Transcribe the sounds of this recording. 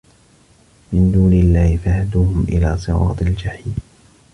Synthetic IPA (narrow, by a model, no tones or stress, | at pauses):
mɪnd̪uːnɪlːaːhɪfahad̪uːhʊmʔɪ̰laːsˤɨɾɑ̰ːt̪ˤɪld͡ʒaħiːl